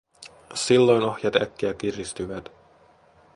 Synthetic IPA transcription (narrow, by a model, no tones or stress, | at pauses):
silːo̞jno̞hjɑt̪æ̰kːiæk̟irist̪yʋæt̪